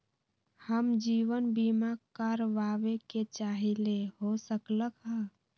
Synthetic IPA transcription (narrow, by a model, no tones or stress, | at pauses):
həmd͡ʒiːwənbimakaɾʋaʋeket͡ʃaːɦileɦosəkləkɦɛ̃